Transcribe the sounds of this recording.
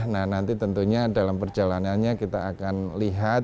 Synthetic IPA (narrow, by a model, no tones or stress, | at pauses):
nahnant̪it̪ənt̪uɲadalampərd͡ʒalananɲakit̪aːkanliɦat̪